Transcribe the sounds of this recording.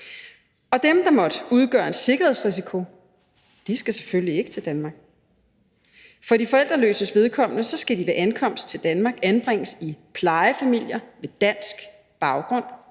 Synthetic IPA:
ɒ̽d̥emd̥ɑ̈mɒ̽d̥uð̞ˠɡ̥ɶːɐe̝n̥se̝ɡ̥ɐheðˠsʁis̬ikʰo̝ | d̥isɡ̥æse̥følie̝ɡ̥ə̥t͡sʰe̝ld̥ænmɑ̈ːɡ̥ | fɒ̽d̥ifɒ̽el̰d̥ʁɐlø̰ːsəsʋe̝ð̞ˠkʰɒ̽m̰nəsɒ̽sɡ̥ædiʋeʔænkʰɒ̽m̰sd̥t͡sʰe̝ld̥ænmɑ̈ːɡ̥ænb̥ʁeŋ̰əsipʰlɑ̈ɪəfæmil̰jɐʋe̝d̥æn̰sɡ̥ | b̥ɑ̈ʊɡ̥ʁɔ̽n̰

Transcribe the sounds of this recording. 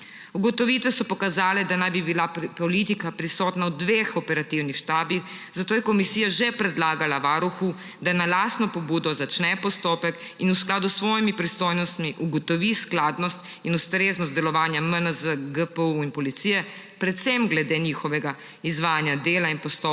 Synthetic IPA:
uɡɔt̪ɔʋit̪ʋɛsɔpɔkazaːlɛd̪anajbibilapɔlit̪ikapɾisɔːt̪naud̪ʋexɔpɛɾat̪iwnixʃt̪aːbix | zat̪oːjɛkɔmisiːjaʒɛpɾɛd̪laːɡalaʋaːɾuxu | d̪analaːsnɔpɔbuːd̪ɔzat͡ʃnɛpɔst̪oːpɛk | inusklaːd̪usːʋɔːjimipɾist̪ojnɔst̪miʔuɡɔt̪ɔʋisklaːd̪nɔst̪ | inust̪ɾeːznɔst̪d̪ɛlɔʋaːnjamənəzəɡəpəuinpɔlit̪sijɛ | pɾɛt̪sɛmɡlɛd̪eniːxɔʋɛɡa | izʋaːjanjad̪eːlainpɔst̪o

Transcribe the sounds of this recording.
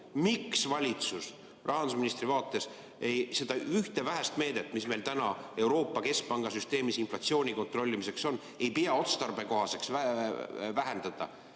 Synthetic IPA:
miksvɑlʲit̪sus | rʔɑɦɑnd̪us̬minist̪ɾivɑːt̪ːˑe̞s | ejse̞d̪̥ɑyht̪e̞væɦæst̪me̞ːd̪e̞t̪ːˑmisme̞lt̪ænɑe̞wɾo̞ːpːˑɑke̞sk̚pɑŋɡ̥ɑsyst̪e̞ːmisinflɑt̪sio̞ːnʲiko̞nt̪ro̞lʲːimise̞kso̞nː | e̞jpijɑo̞t̪st̪ɑrb̥e̞ko̞ɦɑse̞ksæ | væɦend̪̥ɑd̪̥ɑ̰

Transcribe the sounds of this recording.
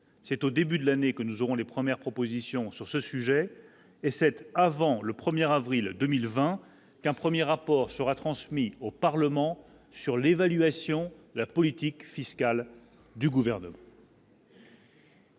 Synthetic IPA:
sɛt̪od̪ebyd̪əlanekənuzoʁɔ̃lepχəmjɛʁpχɔpozisjɔ̃syʁsəsyʒɛ | esɛt̪avɑ̃ləpχəmjɛʁavʁild̪əmilvɛ̃ | kɛ̃pχəmjeʁapɔʁsəʁat̪χɑ̃smiopaʁləmɑ̃ | syʁlevalɥasjɔ̃d̪əlapɔlit̪ikfiskal | d̪yɡuvɛʁnəmɑ̃

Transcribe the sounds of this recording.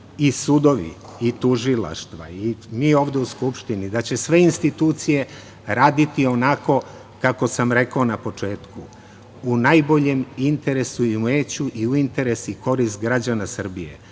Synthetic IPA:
isud̪o̞ʋḭ | it̪uʒila̰ʃt̪ʋa̰imiːo̞ːʋd̪e̞uskupʃt̪inid̪at͡ɕe̞sʋe̞inst̪it̪uːt̪sije̞ | ɾaːd̪it̪io̞nako̞ | kako̞samɾe̞kaonapo̞t͡ʂe̞ːt̪ku | unajbo̞ʎe̞mint̪e̞ɾe̞suiumeːt͡ɕuʔiuint̪e̞ɾe̞siko̞ɾist̪̚ɡɾad͡ʑanasər̩bijḛ

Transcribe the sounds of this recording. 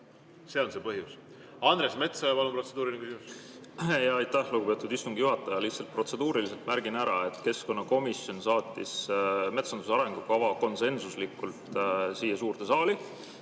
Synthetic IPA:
se̞o̞nsepɤɦjus | ɑnd̪ɾesme̞t̪sɑjɑpɑlumprose̞d̪uːɾinekysimus | jɑɑjt̪ːˑæhluɡ̥ube̞ːt̪ːˑud̪ist̪uŋɡ̥ijuɦɑt̪ːˑɑjɑliht̪sɑlt̪̚pro̞t̪se̞d̪uːɾilise̞lt̪mæɾɡ̥inæɾɑe̞t̪ke̞sko̞nːɑko̞misjo̞nsɑːt̪ʲːˑisme̞t̪sɑnd̪us̬ɑɾeŋɡukɑvɑko̞nse̞nsuslikːˑult̪ˑsiːjɑsuːrt̪esɑːli

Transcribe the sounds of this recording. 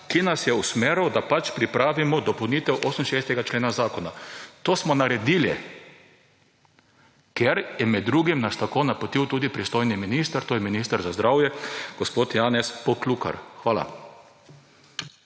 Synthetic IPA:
kinasjɛusmeːɾɔd̪apat͡ʃpɾipɾaːʋimɔd̪ɔpɔwniːt̪ɛwʔoːsəmʃeːst̪ɛɡat͡ʃleːnazaːkɔnat̪oːsmɔnaɾɛd̪iːlḭ | kɛɾjɛmɛd̪ːɾuːɡimnast̪akoːnapɔt̪iwt̪uːd̪ipɾist̪ojniminiːst̪əɾt̪oːjɛminiːst̪aɾzazd̪ɾaːwjɛɡ̥ɔspoːt̪jaːnɛspɔkluka̰ɾxʋaːla̰

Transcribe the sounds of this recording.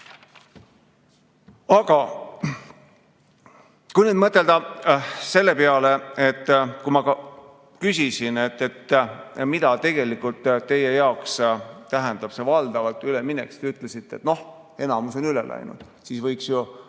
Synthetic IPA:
ɑɡ̥ɑ | kujned̪̚mɤt̪ːˑe̞ld̪̥ɑse̞lːe̞peɑle̞et̪ːˑkumɑkɑ | kysʲisine̞t̪ːˑet̪ːmid̪̥ɑt̪e̞ɡ̥e̞likːˑult̪ːˑt̪ːe̞je̞jɑokst̪æɦɛnd̪ɑb̥se̞vɑld̪ɑvɑlt̪ːˑyleminḛksi̥t̪eyt̪ːˑle̞sit̪ːe̞̰t̪no̞h | e̞nɑmuso̞nylḛlʔæ̰jnṵd̪̥ | siːsvɤjksju

